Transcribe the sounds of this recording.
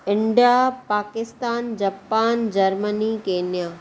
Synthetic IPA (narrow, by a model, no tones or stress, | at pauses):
ɪ̃ɳɖijapaːkɪst̪aːnd͡ʑaːpaːnd͡ʑɐɾmənikeːnijaː